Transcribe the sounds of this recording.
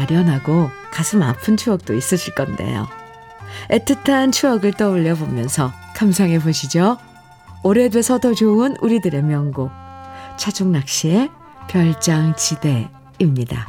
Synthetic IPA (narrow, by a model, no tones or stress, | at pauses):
maɾjʌnɦaɡokasʰɯmapʰɯnt͡ɕʰuʌk̚t͈ois͈ɯɕʰiɭk͈ʌnde̞̰jo̰ | etʰɯtʰant͡ɕʰuʌɡɯɭt͈ʌuʎːʌbomjʌnsʰʌ | kʰamsʰaŋe̞boɕʰid͡ʑoː | ɾe̞dwe̞sʰʌtʌd͡ʑoɯnuɾidɯɾe̞mjʌŋɡot͡ɕʰad͡ʑoŋnak̚ɕ͈ie | pjʌɭt͡ɕ͈aŋt͡ɕide̞ | imɲida̰